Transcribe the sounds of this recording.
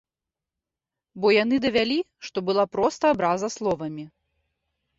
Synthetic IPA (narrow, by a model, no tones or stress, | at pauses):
bɔjanɨd̪ɐvʲalʲi | ʂt̪ɔbɨlˠapɾɔst̪ɐːbɾazɐslˠɔvɐmʲi